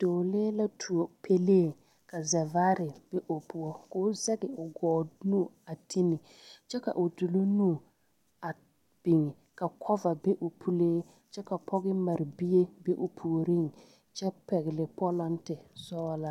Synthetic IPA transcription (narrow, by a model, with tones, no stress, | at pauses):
d̥o˨leː˦la˦tʰu˨o˨pʰe˦leː˦˨ | ka˨zɛ˨vaː˦ɾɪ˨b̥ɛ˦ʔo˨pu˨ɔ˦ko˦zɛ˦ɡɪ˨ʊ˨ɡɔː˨nu˦˨a˨tʰi˦nɪ˨ | t͡ʃɛ˦ka̰˨ʔʊ˨du˨lo˦nu˦˨ | a˨ | b̥ɪ˨ŋɪ˨ | ka˨kʰɔ˦va˨be˦ʔʊ˨pʰu˦leː˦ | t͡ʃɛ˦ka˨pʰɔ˦ɣɪ˦ma˨ɾɪ˨bi˦e˦be˦ʔʊ˨pʰu˨ɾi˦ŋ | t͡ʃɛ˦pɛ˨ɣɪ˨lɪ˨pɔ˦la˦ntɪ˨sɔː˦la˦